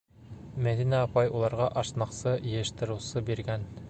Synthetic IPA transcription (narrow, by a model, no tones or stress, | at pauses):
mæðinæɑpɑjulˠɑɾʁɑʔɑʃnɑqsɤjɘ̆jɘ̆ʃt̪ɤ̆ɾɤ̆wsɤbiɾɡæn